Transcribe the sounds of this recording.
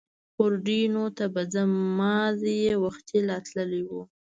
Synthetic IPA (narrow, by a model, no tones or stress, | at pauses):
xoɾɖinot̪abad͡zamɑzejewaxt̪elɑt̪ləliwu